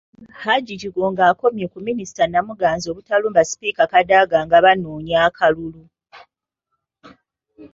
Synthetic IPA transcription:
haɟiciɡoːŋɡaːko̞mjekuminisi̥tanamuɡaːnzo̞ːβutaluːmbasi̥piːkakadaɡaːŋɡaβanoːɲaːkʰalulu

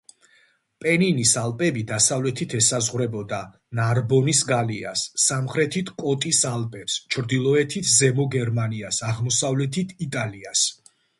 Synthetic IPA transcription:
pʼɛninisalˠpʼɛbid̪asavlɛt̪ʰit̪ʰɛsazʁwɾɛbɔd̪a | naɾbɔnisɡalia̰sːamχɾɛt̪ʰit̪ʰkʼɔt̪ʼisalˠpʼɛpst͡ʃʰɾd̪ilˠɔɛt̪ʰit̪ʰzɛmɔɡɛɾmaniasaʁmɔsavlɛt̪ʰit̪ʰit̪ʼalias

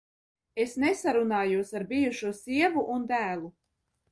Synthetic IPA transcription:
esnesaɾunaːjuɔsaɾbijuʃuɔsiɛvuʔund̪æːlˠu

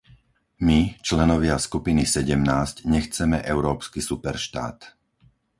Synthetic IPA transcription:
mit͡ʃlɛnɔʋɪaskupinisɛɟɛmnaːscɲɛxt͡sɛmɛʔɛʊɾɔːpskisupɛɾʃt̪a̰ːt̪

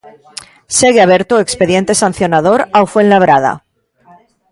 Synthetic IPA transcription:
seɣeaβ̞e̞ɾt̪oekspe̞ðje̞nt̪e̞sanθjo̞naðo̞ɾawfwẽnlaβ̞ɾað̞a̰

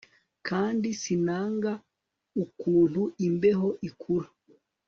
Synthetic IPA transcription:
kaːndisinaːŋɡa | ukuːn̥huʔimbe̞ɦo̞ʔikʰuɾa

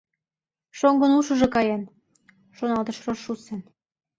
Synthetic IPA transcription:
ʃoŋɡɤ̆nuʃə̆ʒekɑjɑn | ʃonɑlt̪ɤ̆ʃroʃusen

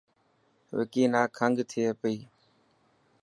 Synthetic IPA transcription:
ʋḛkiːnãːkʰəŋɡt̪ʰipəiː

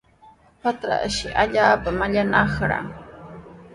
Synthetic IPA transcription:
pat̪ɾa̰ʔʃɪʔaʎaːpamaʎanɑχɾa̰ŋ

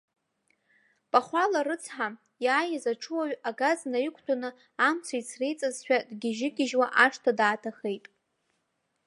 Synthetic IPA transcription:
pʼaχʷalaɾɨt͡sʰħa | jaːjazaʈ͡ʂʰɨwaɥaɡaznajikʷʰʼtʰonɨ | amt͡sʰait͡sʰrejt͡sʼazħᶣadɡʲɪʒɪɡʲɪʒwaʔaʂtʰadaːtʰaχe̞jtʼ

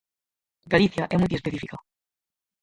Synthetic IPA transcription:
ɡaliθjaʔemujðiespeθifiko

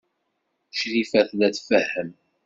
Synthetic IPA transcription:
ʃɾifæθlæt͡sːfəhːəm

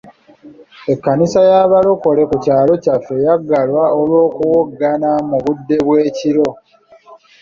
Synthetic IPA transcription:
e̞kːanisajaβalo̞ko̞le̞kucaːlo̞cafːe̞jaɡːalwaolwo̞ːkuwoɡːanamuβudːe̞βwe̞ːciɾo̞

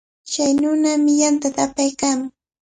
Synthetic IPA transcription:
t͡ʃajnʊːnamɪjant̪at̪apajkaːmʊŋ

